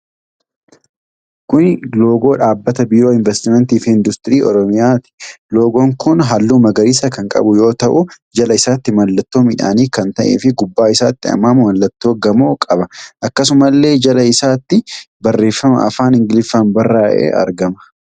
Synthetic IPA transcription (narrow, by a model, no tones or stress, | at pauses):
kʊnlo̞ːɡo̞ːᶑaːbːɐt̪ɐbiːɾoːɪnvɛst̪ɪmɛnt̪iːfɪnd̪ʊst̪ʼɪɾiːɔ̰ɾɔmɪjaːt̪ɪ̥lo̞ːɡoːŋkʊnɦɐlːuːmɐɡɐɾis̬ɐkɐŋkʼɐ̰bʊjo̞ːt̪ɐʔʊ | d͡ʒɐlɐɪsaːt̪ːɪmɐlːɐt̪ːo̞ːmɪᶑa̰ːniːkɐnt̪ɐʔḛːfɪɡʊbːaːɪsaːt̪ːɪɐ̰mːɐmwɐlːɐt̪ːo̞ːɡɐmoːkʼɐbɐʔɐkːɐsʊmɐlːe̞ːd͡ʒɐlɐɪsaːt̪ːɪ | bɐrːe̞ːfːɐmɐ̰ʔɐ̰faːnɪŋɡɪlɪfɐmbɐrːaːʔḛːʔɐ̰ɾɡɐmɐ̥